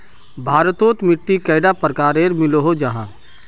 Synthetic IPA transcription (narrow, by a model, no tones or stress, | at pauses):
bʱaːɾət̪oːt̪mɪʈːikəːɪɖapəɾkaːɾeːɾmɪloɦod͡ʒaɦãː